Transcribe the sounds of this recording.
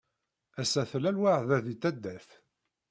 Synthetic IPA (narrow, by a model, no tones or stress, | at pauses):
æsæθlælwaʕðæðit̪ːæd̪ːæθ